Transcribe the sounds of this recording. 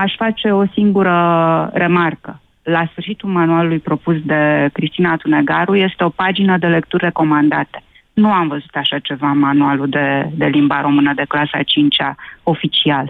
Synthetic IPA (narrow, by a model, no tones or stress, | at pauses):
aʃfat͡ʃe̞o̞siŋɡuɾəre̞markə | lasfɨrʃit̪ulmanualulujpɾo̞pus̬d̪e̞kɾist̪inat̪une̞ɡaɾuje̞st̪e̞o̞pad͡ʒinəd̪e̞le̞kt̪urʲre̞ko̞mand̪at̪e̞̥ | nuamvəzut̪aʃat͡ʃe̞vamanualud̪ed̪e̞limbaɾo̞mɨnəd̪e̞klasa̰t͡ʃint͡ʃao̞fit͡ʃial